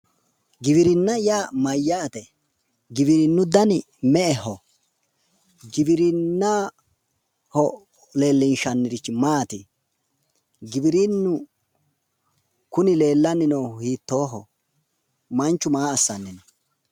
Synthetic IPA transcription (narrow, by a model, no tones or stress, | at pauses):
ɡɪβɪɾɪnːɐjaːmɐjːaːt̪ɛ | ɡɪbɪɾɪnːʊd̪ɐn | mɛʔɛhɔ | ɡɪbɪɾɪnːa | hɔ | le̞ːlːɪnʃɐnːɪɾɪt͡ʃːɪmaːt̪ɪ | ɡɪbɪɾinːʊ | kʊnɪle̞ːlːɐnːɪnɔwhiːt̪ːoːɦɔ̰ | mɐnt͡ʃːʊmaːɐsːɐnːɪnɔ